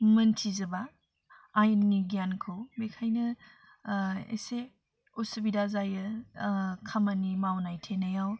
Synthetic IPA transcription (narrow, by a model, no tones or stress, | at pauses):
mɐntʰizɐbaː | jənŋiɡijankʰɯwbekʰajnɐ | ḛse | osɐbidazajɯ | kʰɐmanimawnajtʰenɐjaw